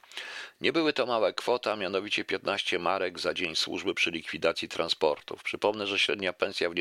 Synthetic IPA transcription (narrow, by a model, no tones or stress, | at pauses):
ɲɛbɘwɘt̪ɔmawɛkfɔt̪amʲjan̪ɔvʲit͡ɕɛpʲjɛt̪naɕt͡ɕɛmaɾɛɡzad͡ʑeɲswṵʐbɘpʂɘlʲikfʲid̪at̪sʲjit̪ɾa̰nspɔ̰ɾt̪ṵpʂɘpɔmnɛʐɛɕɾɛd̪ɲapɛ̃ñsʲjavɲ